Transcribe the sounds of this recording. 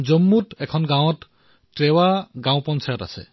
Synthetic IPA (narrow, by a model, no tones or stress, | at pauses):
zɔmːutɛkʰɔnɡãw̃ɔtː | ɹewaɡãw̃pɔnsajɔta̰sɛ̰